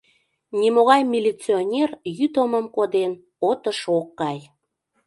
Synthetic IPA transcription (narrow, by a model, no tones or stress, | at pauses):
nʲimoɣɑjmʲilʲit͡sionʲerjyt̪əməmkod̪en | ot̪əʃokːɑj